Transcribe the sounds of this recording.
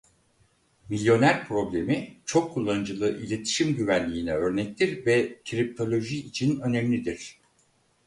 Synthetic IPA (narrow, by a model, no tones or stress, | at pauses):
milʲjo̞næɾpʰɾo̞blʲe̞mit͡ʃʰo̞kʰːulˠːanɯd͡ʒɯlˠɯʔilʲe̞t̪ʰi̥ʃimɟyvænlʲiːnɛø̞ɾnɛc̚t̪ʰiɾvɛc̪ʰiɾip̚t̪ʰo̞lʲo̞ʒiːt͡ʃʰinø̞nemʲlʲid̪iɾ̥